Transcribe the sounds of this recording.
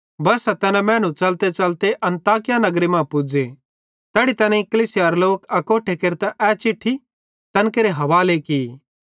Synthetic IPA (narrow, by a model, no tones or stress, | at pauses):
bɐsɛt̪ɛnɛ̃mɛ̃ːnũt͡ʃɐlt̪et͡ʃɐlt̪eʔɐ̃nt̪aːkɪjanɐɡɾemãːpʊd͡ze | t̪ɛːɽit̪ɐnɛ̃ikɐliːsɪjaɾloːkɐkoːʈʰekeɾt̪ɛ̃ʔɛt͡ʃɪʈʰːi | t̪ɐnkeɾeɦɐʋaːleki